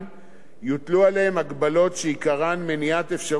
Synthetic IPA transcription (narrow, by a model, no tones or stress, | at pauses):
jut̪lualehemaɡbalo̞tʃeikaʁanmeniat̪efʃa